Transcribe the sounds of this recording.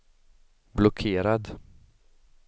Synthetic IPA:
blɔkʰeːɾad̪

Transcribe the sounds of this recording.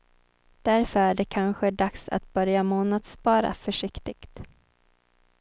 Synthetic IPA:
d̪̥æɾfœɾæɖɛkʰanɧɛɖaksa̰t̪bœɾjamoːnad̪spɑːɾa̰fœʂɪkt̪ɪɡ̥t̪

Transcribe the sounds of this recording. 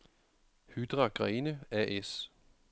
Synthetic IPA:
hyd̥ʁɑɡ̥ʁɛːnəæʔes

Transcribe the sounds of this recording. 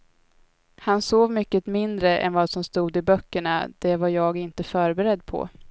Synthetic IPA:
hansoːvmʏkːət̪mɪnd̪ɾəʔɛ̰nvaːsɔmst̪uːd̪ɪbœkːəɳa̰d̪̥ɛvaɾjɑːɡɪnt̪əfœːɾbɛɾɛd̪ːpʰɔ̰

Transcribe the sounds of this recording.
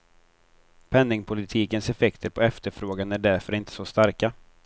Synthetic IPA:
pʰɛnːɪŋpʰʊlɪt̪ʰiːkənsɛfɛkt̪ʰəɾpʰɔɛft̪əɾfɾoːɡanæɖæɾfœɾɪnt̪ʰə̥sɔst̪aɾka

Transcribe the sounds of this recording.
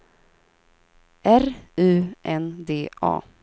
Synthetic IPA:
ʔæɾʉ̟ːʔɛnd̪eːʔɑ̰ː

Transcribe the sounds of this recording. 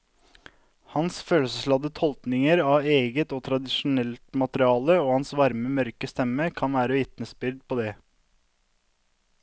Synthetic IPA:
hɑnsføːləsəslɑd̪ət̪ʰɔlt̪nɪŋəɾɑːʋeːɡət̪oːt̪ʰɾɑd̪ɪʃʊnɛlt̪mɑt̪əɾɪɑːləoːhɑnsʋɑɾməmœɾkəst̪ɛməkʰɑnʋæːɾəʋɪt̪nəsbɪɾd̪̚pʰoːd̪ɛː

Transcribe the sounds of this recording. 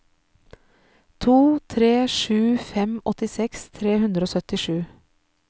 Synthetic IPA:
t̪ʰuːt̪ʰɾeːʃʉːfɛmɔt̪ɪsɛkst̪ʰɾeːhʉnd̪ɾəoːsœt̪ɪʃʉː

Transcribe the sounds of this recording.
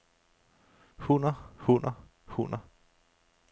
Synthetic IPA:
hunɐhunɐ | hunɐ

